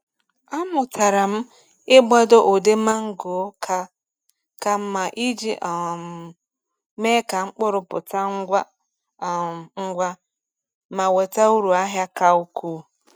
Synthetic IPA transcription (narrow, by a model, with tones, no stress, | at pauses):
a˦mʊ˨ta˨ɾa˨m̩˦ | ɪ˦bʷɔ˦do˦ʔo˨de˦ma˦ŋ̩˦ɡo˨˦ka˨˦ | ka˨m̩˦ma˨ʔi˦d͡ʒi˦ʔ | me˦ka˨ŋ͡m̩˦k͡pʊ˦ɾʊ˨pʊ̰˨ta˦ŋ̩˦ɡʷa˦˨ | ŋ̩˦ɡʷa˦ | ma˨we˨ta˦u˦ɾu˨a˦ɦja˦ka˦u˦kʰuː˦